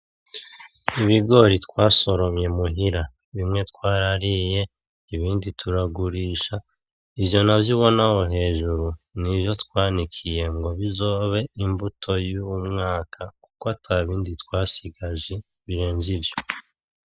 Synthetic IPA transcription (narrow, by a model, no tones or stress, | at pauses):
iβiɡo̞ɾitkwaːso̞ɾo̞mje̞muɦiɾa | βimŋe̞tkwaːɾaɾije̞ | iβiːndituɾaɡuɾiːʃa | iβjo̞navjuβo̞naho̞ɦe̞ːʒuɾuniβjo̞twaːnikʰije̞ŋɡo̞βizo̞ːβe̞imbutʰo̞juwumŋaːkʰaku̥koataβiːnditwaːsiɡaʒe | βiɾe̞ːnzivjo̞